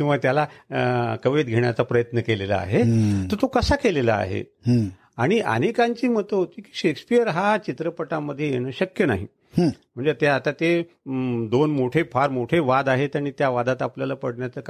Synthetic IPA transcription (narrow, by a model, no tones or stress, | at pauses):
kĩw̃ʋat̪jala | kəʋet̪̚ɡʱeɳjat͡sapɾəjət̪nəkelelə̰a̰ɦet̪əɾt̪okəsakeleləa̰ɦḛ | aɽ̃iʔə̰nekaɲt͡ɕiːmət̪əɦot̪iːki̥ːɕekspijəɾɦat͡ɕit̪ɾəpəʈamːəd̪ʱːjejeɽ̃əːɕəkjəna̰ɦḭ̃ | m̤əɳd͡zet̪eat̪at̪e | d̪onmoʈʰepʰaɾmoʈʰeʋad̪aɦet̪aɽ̃it̪jaʋad̪at̪apljalapəɽɳjat͡səːk